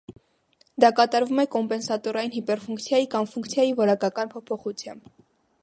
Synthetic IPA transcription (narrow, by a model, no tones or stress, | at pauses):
d̪ɑkɑt̪ɑɾvumɛkɔmpɛnsɑt̪ɔɾɑjinɦipɛɾfuŋkt͡sʰjɑjikɑmfuŋkt͡sʰjɑjivɔɾɑkɑkɑnpʰɔpʰɔχut͡sʰjɑ̰mb